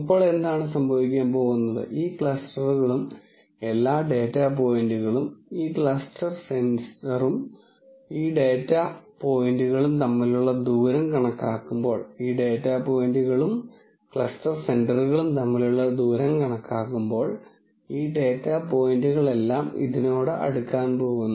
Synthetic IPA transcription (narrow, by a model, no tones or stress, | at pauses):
pːo̞ːɭe̞nd̪aːɳɨs̬ɐmbʱɐʋikʲːaːmpo̞ːɣunːɐðɨ̰ʔiːkɭɐstɐruɣɐɭum | e̞lːaːɖe̞ːtːap̬o̞ːjinduɣɐɭumiːkɭɐstɐrsenɐrum | iːɖe̞ːtːapo̞jinduɣɐɭumt̪ɐmːiluɭːɐd̪uːɾɐmkɐɳɐkːaːkːumbo̞ːɭiːɖe̞ːtːapo̞ːjinduɣɐɭum | kɭɐstɐrse̞nɖɐruɣɐɭumt̪ɐmːiluɭːɐd̪uːɾɐmkɐɳɐkːaːkːumbo̞ːɭ | iːɖe̞ːtːapo̞ːjinduɣɐɭe̞lːaːmḭðino̞ːɽɨʔɐ̰ɽukːaːnpo̞ːɣunː